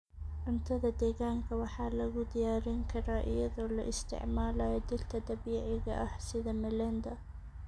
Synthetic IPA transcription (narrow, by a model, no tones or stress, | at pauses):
ʔɪnt̪ʰɐðad̪eːɡaːŋkʰɐwɑħaːlɐɣʊd̪ɪjaːɾɪŋkʰɐɾaːʔɪ̰jɐðala̰ʔɪ̰st̪ɪ̰ʕmaːlajd̪ɪlt̪ʰɐd̪abiːʕɪɣa̰ʔahsɪðɐmɪlɐnd̪a